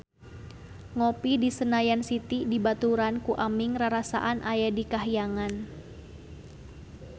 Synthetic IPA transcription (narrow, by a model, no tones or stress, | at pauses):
ŋɔpidisənajansit̪idibat̪uɾankuʔamiŋraɾasa̰ʔanʔajadikaɦijaŋan